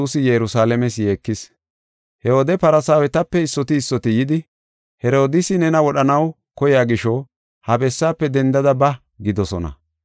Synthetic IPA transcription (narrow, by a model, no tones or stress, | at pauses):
uːsɪjɛɾʊsaːlɛmɛsje̞ːkːɪs | hɛhɔd̪ɛpɐɾɐsaːwɛt̪ɐpːɛɪsːɔt̪ɪːsːɔt̪ɪjɪd̪ɪ | hɛɾo̞ːd̪ɪsɪnɛnɐwɔɗɐnɐw | kɔjaːɡɪʃɔ | hɐbɛsːaːpːɛd̪ɛnd̪ɐd̪ɐbɐ | ɡɪd̪ɔsɔ̰nɐ̰